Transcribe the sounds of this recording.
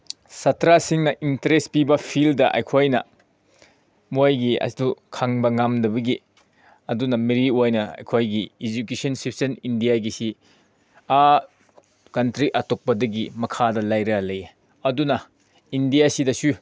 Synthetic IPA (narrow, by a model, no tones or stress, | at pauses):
sɐtɾasiŋnɐʔintɐɾes̚pibɐpʰildɐʔɐ̰jkʰojnɐ̰ | muajɡiɐ̰sdukʰaŋbɐŋamdɐbɐɡi | ɐdunɐmiɾiojnɐɐ̰jkʰojɡiid͡ʒukesɐnsipʰsɐnindijaɡisi | a | kɐntɾiʔɐtok̚pɐdɐɡimɐkʰadɐlajɾɐlɐje | ɐdunɐ | indijasidɐsu